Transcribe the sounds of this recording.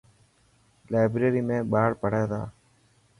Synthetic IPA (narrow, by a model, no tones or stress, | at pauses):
laːbɾeːɾiːmẽːɓaːɽpəɽ̤eːt̪a̰ː